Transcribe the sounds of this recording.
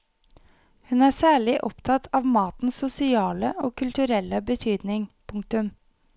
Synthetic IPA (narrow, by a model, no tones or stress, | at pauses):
hʉnæːsæːɭɪʔɔpt̪ʰɑt̪ʰɑːʋmɑːt̪n̩sːʊsɪɑːləʔoːkʰʉlt̪ʉɾɛlːəbət̪ʰyːd̪nɪŋpʰʊŋk̚t̪ʉm